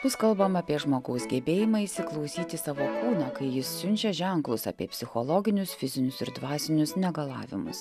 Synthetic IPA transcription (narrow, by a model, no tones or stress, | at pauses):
b̥ʊskɐlˠbɐmɑːpʲiɛʒmoːɡɐʊsɡʲɛbʲeːjɪmɐɪʃsʲɪklˠɒʊsʲiːt̪ʲɪsɑːʋoːkuːnɑːkɐɪjɪsːʲʊnʲt͡ʃʲɛʒʲæŋklˠʊsɐ̰pʲiɛpʲsʲɪxolˠɔːɡʲɪnʲʊsfʲɪzʲɪnʲʊsɪɾd̪ʋɑːsʲɪnʲʊsnʲɛɡɐlˠɑ̰ːʋʲɪ̰mʊ̰s